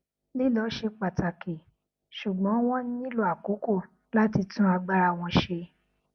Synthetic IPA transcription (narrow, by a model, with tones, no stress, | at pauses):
li˦lɔ˨˦ʃe˧k͡pa˨ta˨ki˨ | ʃu˨ɡ͡bɔ̃˨˦w̃ɔ̃˦nĩ˦i˦lo˧˦a˨ku˨˦ko˦˨ | la˦ti˧tũ˦a˧ɡ͡ba˧ɾa˧˨w̃ɔ̃˧ʃe˧